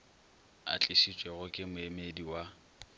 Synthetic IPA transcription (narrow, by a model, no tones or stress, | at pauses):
a̰t͡ɬʼɪʃit͡ʃʼweɣʊkʼɪmʊemediwa